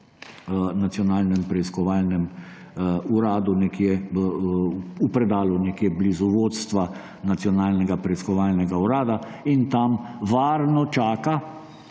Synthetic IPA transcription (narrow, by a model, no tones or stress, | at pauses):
nat̪ijɔnaːlnɛmpɾɛiskɔʋaːlnɛm | uɾaːd̪unɛkje | upɾɛd̪aːlunɛkjeblizɔʋoːt̪st̪ʋa | nat̪sjɔnaːlnɛɡapɾɛiskɔʋaːlnɛɡauɾaːd̪a | int̪amʋaːɾnɔt͡ʃaːka